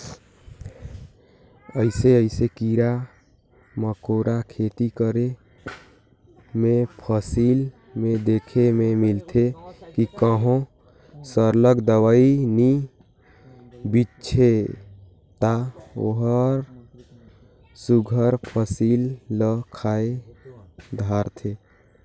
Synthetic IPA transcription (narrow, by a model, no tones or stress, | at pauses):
əɪseəɪsekiɾa | məkoɾakʰeːt̪ikəɾe | mẽpʰəsil | mẽd̪ekʰemẽmilt̪ʰekikəɦõ | səɾləɡd̪əwaini | bitt͡ʃʰe | t̪ao̰ɦəɾ | suɡʱəɾpʰəsiːlːəkʰae | d̪ʱaːɾt̪ʰe